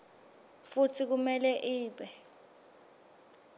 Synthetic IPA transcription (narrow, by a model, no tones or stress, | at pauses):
futʰik̬umɛlɛʔiːɓɛ